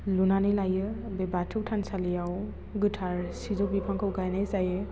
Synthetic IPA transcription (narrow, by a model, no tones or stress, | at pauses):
lunanilajɯbebatʰɯwtʰansalijaw | ɡɯtʰaɾsizɔbipʰaŋkʰɯwɡajnajsajɯ